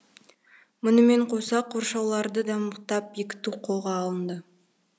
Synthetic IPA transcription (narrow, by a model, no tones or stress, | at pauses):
mʊnəme̞ɴqʰosɑqʰoɾʃɑwlˠɑɾd̪əd̪ɑməqt̪ɑpjekʲɪ̥t̪uqʰo̞lˠʁɑːlˠənd̪ə